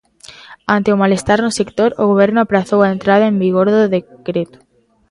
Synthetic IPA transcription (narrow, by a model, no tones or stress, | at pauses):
ant̪eomalest̪aɾnʊsekt̪oɾoɣoβ̞eɾnʊapɾaθowaent̪ɾað̞aẽmbiɣoɾðoðekɾet̪u̥